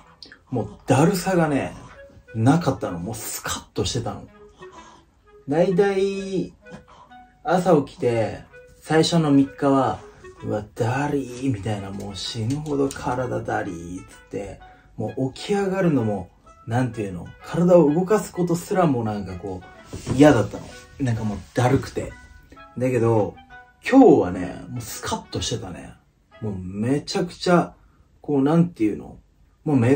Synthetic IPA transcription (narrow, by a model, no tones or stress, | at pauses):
mo̞ːd̪̥aɾɯ̟saɡane̞̰ | nakat̪ːanomo̞ːsɨ̥kʰḁt̪ːo̞ɕi̥t̪e̞t̪a̰no | d̪ait̪̬ai | asao̞kʲi̥t̪e̞ | saiɕo̞no̞mʲikːaβaiβad̪̥aɾʲimʲit̪ainamo̞ːɕiŋɯ̟ho̞d̪o̞kʰaɾad̪ad̪a̰ɾʲḭt͡sɨ̥t̪ːe̞̰ | mo̞ːʔokʲiaɡaɾɯ̟no̞mo̞ | nãnt̪ejɯ̟no̞̰kʰaɾad̪ao̞ɯ̟ɡo̞kasɨ̥ko̞t̪̬o̞sɨɾamo̞nãŋkako̞ːijad̪at̪ːano̞̰nãŋkamo̞ːd̪̥aɾɯ̟kɯ̟̥t̪e̞̰d̪ake̞d̪o̞ | kʲʰo̞ːβa̰nḛmo̞ːsɨ̥kʰat̪ːo̞ɕi̥t̪e̞t̪ane̞̰ | mo̞ːme̞t͡ɕakɯ̟̥t͡ɕa | ko̞ːnãnt̪e̞iɯ̟no̞̰ | mo̞ːme